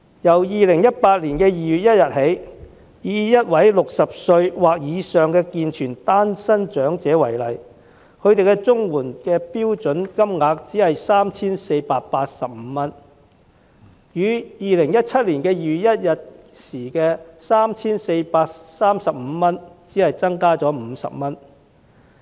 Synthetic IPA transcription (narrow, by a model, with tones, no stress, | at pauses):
jɐ˨˩wjiː˨lɪ˨˩ŋjɐ˥t̚paː˧t̚liː˨˩nkɛː˧jiː˨jyː˨t̚jɐ˥t̚jɐ˨t̚ɦe˨˥j | jiː˨˥jɐ˥t̚wɐ˨˥jlʊ˨k̚sɐ˨p̚sɵ˧ɥwaː˨k̚jiː˨˧sœː˨ŋkɛː˧kiː˨˧nt͡ʃʰyː˨˩nt̪aː˥nsɐ˥nt͡ʃœː˨˥ŋt͡sɛː˨˥wɐ˨˩jlɐ˨˩j | kʰɵ˨˧ɥt̪e˨jkɛ˧t͡sʊ˥ŋwuː˨˩nkɛː˧piː˥wt͡ʃɵ˨˥nkɐ˥mŋaː˨˧k̚t͡siː˨˥hɐ˨jsaː˥mt͡sʰiː˥nse˧jpaː˧t̚paː˧t̚sɐ˨p̚m̩˨˧mɐ˥n | jyː˨˧jiː˨lɪ˨˩ŋjɐ˥t̚t͡sʰɐ˥t̚liː˨˩nkɛː˧jyː˨˧jɐ˥t̚jɐ˨t̚ | siː˨˩kɛː˧saː˥mt͡sʰiː˥nse˧jpaː˧k̚saː˥msɐ˨p̚m̩ː˨˧mɐ˥nt͡siː˨˥hɐ˨jt͡sɐ˥ŋkaː˥t͡sɔː˨˥m̩˨˧sɐ̰˨p̚mɐ˥n